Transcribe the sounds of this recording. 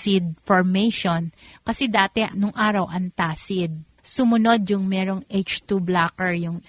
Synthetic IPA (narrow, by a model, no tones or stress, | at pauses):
sɪd̪̚foɹmejʃonkɐsɛd̪aːt̪ɛʔnʊŋʔaːɾɐwʔɐŋt̪aːsɪd̪̚ | sʊmʊno̞d̪jʊŋmɛːɾoŋʔejt͡ʃt̪ublaːkɛɹjʊŋ